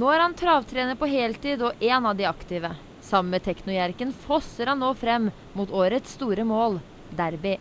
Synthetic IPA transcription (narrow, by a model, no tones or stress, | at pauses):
noːæɾhɑnt̪ʰɾɑːʋt̪ʰɾeːnəɾpɔɦeːlt̪iːd̪ɔʔɛːnɑːʋd̪ɪɑkt̪ɪʋə | sɑmmət̪ʰɛknʊjæɾkənfɔsəɾhɑnːoːfɾɛmː | muːt̪oːɾət̪st̪uːɾəmoːl | d̪æɾbeː